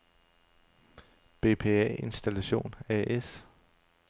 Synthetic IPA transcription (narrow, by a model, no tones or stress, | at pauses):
b̥e̝̰ːpʰe̝̰ːɛ̰e̝nsd̥ælæɕo̝̰ːnɛʔes